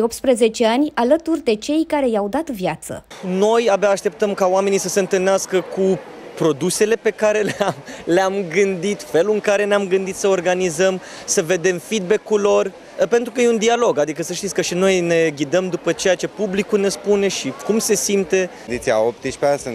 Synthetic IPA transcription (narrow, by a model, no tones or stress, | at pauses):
op̚t̪spɾeze̞t͡ʃe̞anʲalət̪urʲd̪e̞t͡ʃe̞jkaɾe̞jawd̪at̪vjat̪sə̰no̞jabeaːʃt̪e̞p̚t̪əmkaoame̞nisəse̞ɨnt̪ɨlneaskəku | pɾo̞d̪use̞le̞pe̞kaɾe̞leamleamɡɨnd̪it̪fe̞luɨŋkaɾe̞neamɡɨnd̪it̪səorɡanizəm | səve̞d̪e̞mfid̪̚be̞kulo̞r | pe̞nt̪ɾukəjeund̪ialo̞ɡad̪ikəsəʃt̪it̪sʲkəʃino̞jne̞ɡʲid̪əmd̪upət͡ʃe̞jat͡ʃe̞publikune̞spune̞ʃikumse̞simt̪e̞ | d̪it̪sia̰op̚t̪it͡ʃpeasɨn